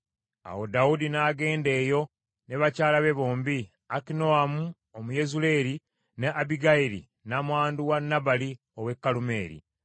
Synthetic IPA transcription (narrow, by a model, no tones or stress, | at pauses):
a̰wo̞dawudinaːɡe̞ːnde̞ːjo̞ | neβacaːlaβe̞βo̞ːmbi | akino̞amu | omuje̞zule̞ɾi | neʔabiɡaiɾḭ | namwaːnduwanːabali | owe̞kːalume̞ːɾḭ